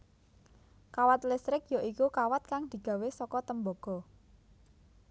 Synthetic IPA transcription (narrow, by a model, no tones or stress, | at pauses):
kawat̪lɪst̪ɾɪk̚joʔikukawat̪̚kaŋd̪̥i̤ɡ̥ä̤wesɔkɔt̪əmboɡ̥ɔ̤